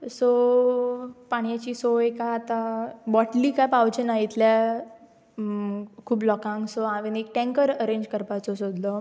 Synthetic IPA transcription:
so | paɽ̃jat͡ɕiːsoekaːt̪abɔʈliːkajpawd͡ʑənajit̪lja | kʰuːblɔkãŋksoãʋenek̚ʈɛ̃ŋkəɾəɾẽɲd͡ʑkəɾpat͡sɔsod̪lɔ

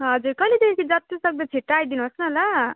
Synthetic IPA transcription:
ɦʌd͡zurkʌjled̪ekʰekʰid͡zʌt̪isʌk̚d̪ʌt͡sʰiʈːajd̪inuɦʌsnʌla

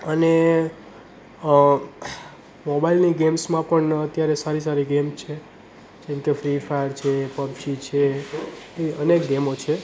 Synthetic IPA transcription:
əne | mobailniɡemsmãpəɳət̪jaɾesaɾis̬aɾiɡemt͡ʃʰe | d͡ʒɛ̃mkefɾifajəɾt͡ʃʰepəbt͡ʃit͡ʃʰeː | iənek̚ɡemot͡ʃʰe

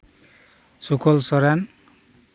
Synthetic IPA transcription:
sukʰɔlsɔɾan

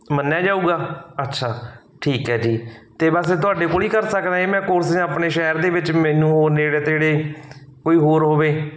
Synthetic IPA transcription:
mənːjaːd͡ʒaːuːɡaːətːʃʰaː | ʈʰiːkɦɛːd͡ʒiːt̪eːbəst̪ʊaːɖeːkoːliːkəɾsəkd̪aːeːmɛ̃ːkoɾsd͡ʒãəpɳeːʃɛːɾd̪eːʋɪt͡ʃmɛːnũːoːneːɽeːt̪eɽeː | koːiːɦoːɾɦoːʋeː

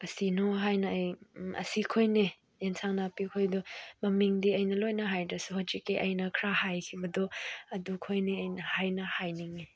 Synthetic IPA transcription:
ɐsinoɦajnɐɐjʔɐ̰sikʰojne | jensʰaŋnapikʰojdɔmɐmiŋdiɐjnɐlojnɐɦajdɐsuhod͡ʒikːeʔɐjnɐkʰɾahajkʰibɐdɔɐdukʰojniɐjnɐhajnɐhajniŋi

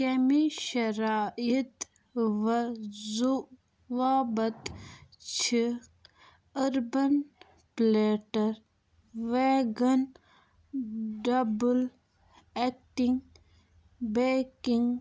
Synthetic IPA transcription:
kemiʃɐɾaːit̪ | ʋzu | ʋaːbɐt̪t͡ʃʰi | ɐɾbɐn | pleːʈɐɾ | ʋeɡɐn | ɖɐbul | ek̚ʈiŋɡ | bekiŋɡ

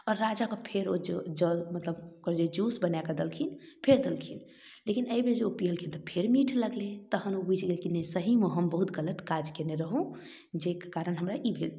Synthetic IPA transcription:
ɔɾːad͡ʒakəpʰeɾod͡ʒed͡ʒəmət̪ləbokəɾd͡ʒed͡ʒusbənakəd̪elkʰin | pʰeɾd̪elkʰin | lekinəibed͡ʒeopiɦəlkʰint̪ɔpʰeɾmiʈʰləɡlet̪əɦənobud͡ʒʱɡelkinesəɦimeɦəmbəɦut̪ɡələt̪kad͡ʒkeneɾəɦũ | d͡ʒekekaɾənɦəmɾaʔibʱel

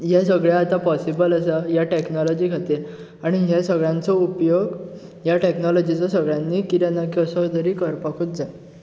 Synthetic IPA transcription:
jasəɡɭjaat̪apɔsibələsəjaʈeknɔlɔd͡ʑiːkʰat̪e | aɽ̃iɦasəɡɭjãnt͡sɔupjoɡ | jaʈeknɔlɔd͡ʑit͡sɔsəɡɭjãnːiːkit̪janːakəsɔd̪əɾiːkəɾpakʰut̪̚d͡za

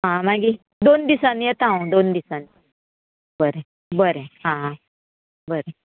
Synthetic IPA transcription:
ɦãmaɡi | d̪ond̪isanjet̪aũd̪ond̪isan | bəɾe | bəɾeɦãɦã | bəɾe

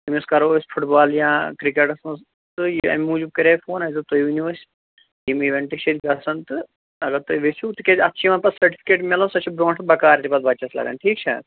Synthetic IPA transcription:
t̪ɐmʲskɐɾoːsʲpʰuʈbaːljãːkɾikeʈɐsɐ̃s | t̪ɨjɐ̰mʲmuːd͡ʒub̚kɐɾeːfʰoːnɐːjzɨt̪ojʋinuɐsʲ | jimiʋeɳʈikʃʰet̪ʲɡɐsɐnt̪ɨ | ɐɡɐɾt̪ojʋesʰut̪ɨkʲed͡ʒʲɐtːʃʰiʋɐːnpɐsɐɾʈi̥pʰi̥keːʈmelɐ̃sɐt͡ʃʰibɾõːʈʰbɐkaːɾt̪ipɐt̪̚bɐt͡ʃɐslɐ̰ɡa̰ːnʈʰiːk̚t͡ʃʰɐ̰

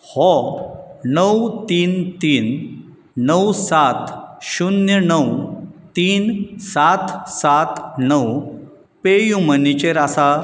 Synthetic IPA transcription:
hɔ | nəwt̪iːnt̪iːn | nəwsat̪ɕunjənəwt̪iːnsat̪ʰsat̪nəw | pejumənit͡ɕeɾasa

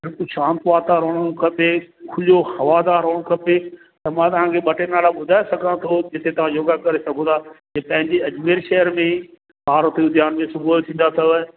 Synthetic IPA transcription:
ɐɾkʊʃʰãːnt̪ʋaːt̪aːɾoːɽ̃kʰɐpekʰʊljohɐʋaːd̪aːɾɦoːɽ̃kʰɐpe | t̪ɐmãːt̪ɐʋ̤ãkʰeɓɐʈenaːlaɓʊd̪ʱaːesɐɡʱãt̪ʰod͡ʑɪt̪ʰet̪ɐʋ̤ãd͡ʑoːɡakɐɾesɐɡʱõd̪aːkepɐ̃ɦɪ̃ɲd͡ʑeɐd͡ʑmeːɾʃɛɦəɾmẽ | paːɾot̪eʊd̪ʱjaːnmẽsʊbʱuːlt̪ʰĩːn̆d̪at̪ʰɐjoe

